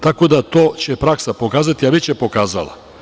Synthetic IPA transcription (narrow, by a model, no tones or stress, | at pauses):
t̪ako̞d̪at̪oːt͡ɕepɾaksapo̞kaːzat̪iaʋet͡ɕepo̞kaːza̰la̰